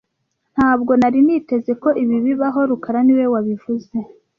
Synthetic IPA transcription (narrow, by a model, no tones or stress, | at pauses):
n̥haːb̚ɡo̞naɾinite̞ze̞ko̞ʔiβiβiβaɦo̞ɾukaɾaniwe̞waβivuze̞